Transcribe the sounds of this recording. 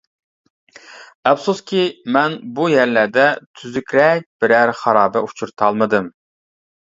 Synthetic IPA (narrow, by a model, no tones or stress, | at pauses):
ɛfsuskʲimɛnbujæɾlæɾd̪ɛt̪ʰyzykʲɾɛk̚ʲb̥ɪɾæɾχɑɾɑːbɛut͡ʃʰuɾt̪ʰɑlˠmɨd̪ɨm